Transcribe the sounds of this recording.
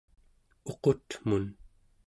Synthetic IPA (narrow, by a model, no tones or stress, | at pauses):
o̞qo̞t̪mun